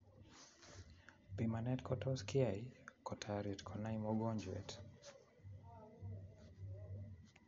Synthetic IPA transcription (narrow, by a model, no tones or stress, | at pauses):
pimanɛtkɔtɔskɪajkɔtʰaɾitkʰɔnaimɔɡɔɲd͡ʒwɛ̰t